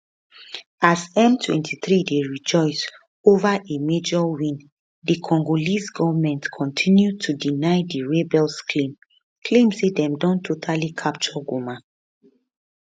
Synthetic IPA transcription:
azɛ̃mtʰwɛ̰̃ntʰiθɹideɹid͡ʒɔɪs | ovaʔemed͡ʒɔwĩn | dikʰɔ̃ŋɡolisɡɔvmɛ̃ntkʰɔ̃ntʰĩnjud̚tʰudinaɪdiɹebɛlskʰlĩm | kʰlẽmsedɛ̃mdɔ̃ntʰːotʰalikʰap̚t͡ʃɔɡoma

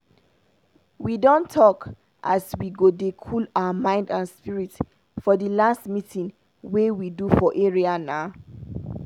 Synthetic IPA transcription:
widɔ̃ntʰːɔk | ʔa̰swiɡodekʰulaʊamãɪ̃ndãnspiɹit | fɔdəlastmitʰĩŋ | wewidufɔʔeɹianaʊ

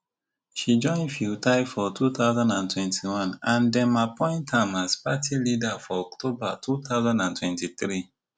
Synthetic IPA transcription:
ʃid͡ʒɔ̃ɪ̃nfiltaɪfɔtʰuθaʊzãndãntʰwɛ̃ntʰiwãnãndɛ̃mapɔ̃ɪ̃nthãmazpatʰilidafɔɔktʰobatʰut̪aʊzãndãntʰwɛ̃ntiθɾi

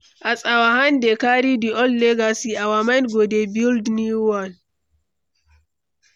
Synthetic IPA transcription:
ʔasʼawahandɛkaɾidiʔɔlːɛɡasiawamanɡɔdɛbildniwan

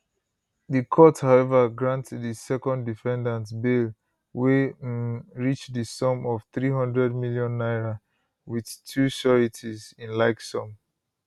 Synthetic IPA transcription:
ðɨkʰɔthaʊɛvəɡɹãntðisɛkɔ̃ndifɛ̃ndãntbil | we | ɹit͡ʃðɨsɔ̃mɔv̥θɹiɦʌ̃ndɹɛdmiljɔ̃nːaɪɹa | wið̥tʰusɔɹitʰizĩnlaɪksɔ̃m

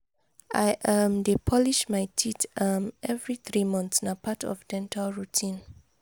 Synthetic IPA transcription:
ʔaɪʔamdepʰɔliʃmaɪtʰitamɛvɹiθɹimɔ̃nθsnapʰatɔ̰vdɛ̃ntʰalɹutʰĩn

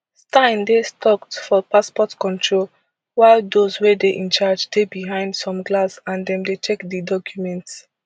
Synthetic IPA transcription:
stãɪ̃ndestʰɔktfɔpaspɔtkɔ̃ntʰɹol | waɪlˠdozwedeʔɛ̃nt͡ʃad͡ʒdebiɦãɪ̃ndsɔ̃mɡlasãndɛ̃mdet͡ʃʰekdidɔkʰjumɛ̃nts

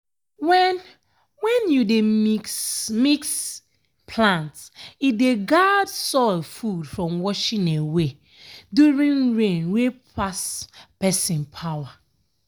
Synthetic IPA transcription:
wɛ̃n | wɛ̃njudeismiks | pʰlãntsideɡadsɔlfudfɹɔ̃mwɔʃĩnewe | duɹĩnɹẽnwepʰaspɛsĩnpʰawa

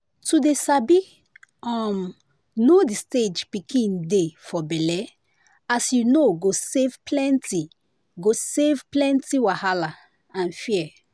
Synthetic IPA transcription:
tudesabi | ɔm | nodisted͡ʒpikʰĩndefɔbɛlɛ | asjunoɡosevplɛ̃nti | ɡosevplɛ̃ntiwahala | ãnfiɛ

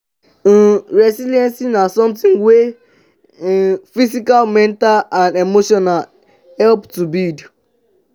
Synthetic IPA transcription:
n̩ɾesiljɛnsinasɔmtĩŋwe | fisikalmɛ̃ntalãndemoʃɔnal | hɛlptubild

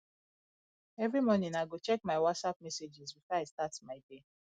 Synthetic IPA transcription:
ɛvɹimɔnĩnaɪɡot͡ʃɛk̚maɪwɔtsap̚mɛsed͡ʒizbifɔaɪstatmaɪde

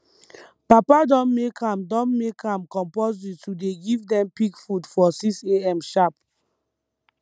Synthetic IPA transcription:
papadɔ̃nmekʰãmdɔ̃nmekʰãmkɔ̃mpozittːudeɡivdɛ̃mpiɡfudfɔsikseɛ̃mʃap

